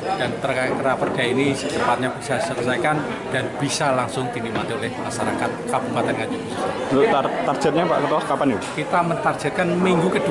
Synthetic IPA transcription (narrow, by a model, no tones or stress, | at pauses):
d̥ant̪ərkakəɾapɔrɡ̥ainit̪əpat̪̚ɲabi̥sasərsajkan | d̥anb̥isalaŋsʊŋd̪̥inimat̪iolɛhmaʃaɾakat̪̚kab̥upat̪ɛnŋḁd͡ʒ̥uɡusəsalot̪at̪ar̥d͡ʒ̥ət̪̚ɲapa̰ʔkət̪ɔskapanikit̪amənt̪ard̥ʒ̥at̪̚kanmiŋɡukəd̥u